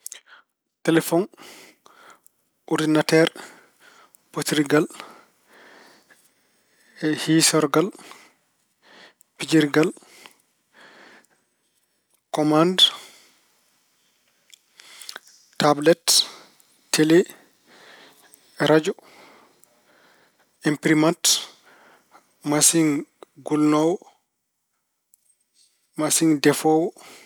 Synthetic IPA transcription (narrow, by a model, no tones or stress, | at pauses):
tɛlɛfɔn | ʔɔɾdinatɛɾ | potɾiɡal | ɛhisɔɾɡal | pid͡ʒiɾɡal | kɔmand | tːablɛtːʰ | elɛ | ɾad͡ʒɔ | impɾimant | masiŋɡulnɔwɔ | masiŋdɛfɔwɔ